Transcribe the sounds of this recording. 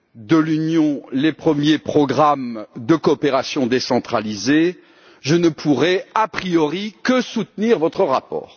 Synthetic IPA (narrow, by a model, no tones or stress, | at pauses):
d̪əlynjɔ̃lepχəmjepχɔɡʁamd̪əkɔːpeʁasjɔ̃d̪esɑ̃t̪χalize | ʒənəpʰuʁɛapχijɔʁikəsut̪niʁvɔt̪χəʁapɔ̰ːʁ